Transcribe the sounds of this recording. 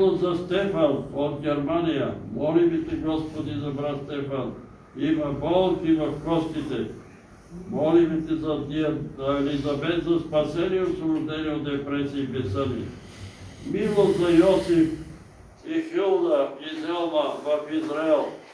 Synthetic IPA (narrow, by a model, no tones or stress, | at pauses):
lˠozast̪ɛfanod̪̚ɡʲɛɾmanijamɔlimit̪ɛɡɔspod̪izabɾat̪st̪ɛfan | imabɔlˠkivɐfkɔst̪it̪ɛ | mɔlimit̪ɛzat̪ializabɛzɐspasɛniosoɾuʒd̪ɛniod̪ɛpɾɛsiːbɛsənḭ | milˠozajɔsif | ixilˠd̪aizɛlˠnavɐfizɾailˠ